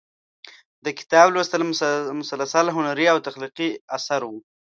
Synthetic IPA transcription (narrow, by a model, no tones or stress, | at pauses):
d̪əkɪ̥t̪ɑblwast̪lmʊsalːasalɦʊnaɾiawt̪aqliqiasaɾwu